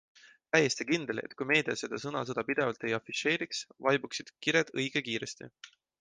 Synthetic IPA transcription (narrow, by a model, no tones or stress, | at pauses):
t̪æjːest̪ikind̪e̞le̞̰t̪ːkujme̞ːd̪̥iɑse̞d̪̥ɑsɤnɑ̰s̬ɤd̪ɑpid̪̥e̞vɑlt̪e̞jɑfiʃe̞ːɾiksvɑjbuksid̪̥kiɾed̪̥ɤjɡ̥ekiːɾe̞st̪ḭ